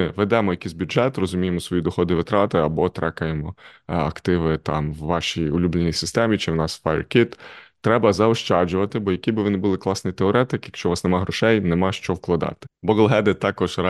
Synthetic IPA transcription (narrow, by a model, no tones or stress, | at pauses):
ɪʋɛd̪ɛmɔjɐkʲijzʲbʲjʊʒɛt̪rɔzʊmʲijemɔsʋɔjid̪ɔxɔd̪ɪʋɪt̪ɾɑt̪ɪɐbɔt̪ɾɛkɐjemɔɐ̰kt̪ɪʋɪt̪ɑ̰mwːɑʃijʊlʲublʲˠenʲijsɪst̪ɛmʲit͡ʃɪwnɑsfajrkʲit̪t̪ːɾɛbɐzɐɔʃt͡ʃɑd͡ʒʊʋɐt̪ɪbɔjɐkijbɪʋɔnɪbʊlˠɪklˠɑsnɪjt̪eɔɾɛt̪ɪkjɐkʃt͡ʃɔʋɑsnemɑɦɾɔʃɛjnemɑʃt͡ʃɔwklˠɐd̪ɑ̰t̪ɪ̥bɔɡlˠɦɛd̪ɪt̪ːɑkɔʒ̥ɾɑ